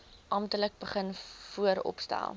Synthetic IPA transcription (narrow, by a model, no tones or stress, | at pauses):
ʔɑmtələk̚bəχənfuəɾɔ̰pstæ̰lˠ